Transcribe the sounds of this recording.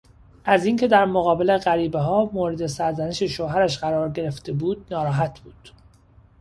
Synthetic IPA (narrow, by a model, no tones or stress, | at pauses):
ʔæziːŋcʰe̞d̪æɾmoɣɒːbele̞ɢæɾiːbeɦɒːmoːɾed̪e̞sæɾzæneʃe̞ʃoɦæɾæʃɢæɾɒːɾɟe̞ɾe̞ft̪e̞buːd̪̚nɒːɾɒːɦæt̪ʰb̥uːd̪̥